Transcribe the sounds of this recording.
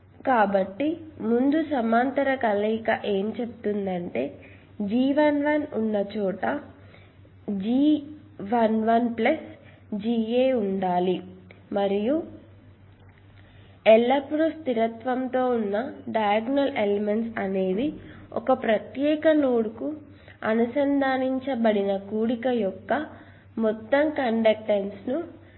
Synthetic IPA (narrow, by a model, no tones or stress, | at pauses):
kaːbɐʈːimund̪usɐmaːnt̪ɐɾɐkɐlɐkɐʔe̞ːmt͡ʃebut̪und̪ɐɳʈe̞ː | d͡ʒiːʋɐnʋɐnunːɐt͡ʃuːʈɐ | d͡ʒiː | ʋɐnʋɐnplɐs | d͡ʒiːeːuɳɖaːlimɐɾiju | ɛlːɐpɽust̪iɾɐt̪ʋɐnt̪o̞ːunːɐɖɐjaɡnɐlelemeɳʈsɐne̞ːd̪iɔ̰kɐpɾɐt̪jɛːkɐnuːɽuku | ɐ̰nusɐnd̪ʱaːniɲt͡ʃɐbɐɽinɐkuːɽikɐjɔkːɐ | mɔt̪ːɐmkɐɳɖɐk̚ʈensnu